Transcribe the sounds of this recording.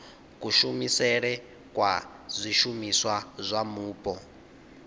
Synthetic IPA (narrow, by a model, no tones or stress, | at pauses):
kuʃumisɛɺɛ | kwa̰ | zʷiʃumiswazʷamuːpʼɔ